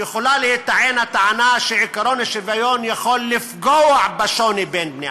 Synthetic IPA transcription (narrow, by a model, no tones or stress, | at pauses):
ɪxʊlalhɪt̪aʕeːnat̪aʕanaʃeʕɪkaɾoːniʃɪvajoːnjaxoːlːɪfɡoʕbaʃoːnibeːnbni